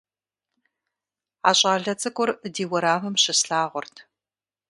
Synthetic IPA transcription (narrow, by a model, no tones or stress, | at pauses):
aːɕʼaːɮɐt͡sʼɨkʷʼʊrdiːwɐɾaːmɐmɕɪsɬaːʁʷʊrtʰ